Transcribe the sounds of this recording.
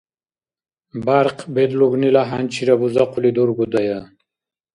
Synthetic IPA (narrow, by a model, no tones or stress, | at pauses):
baɾqbed̪luɡnilaɦant͡ɕʰiɾabuzaqulid̪uɾɡud̪aja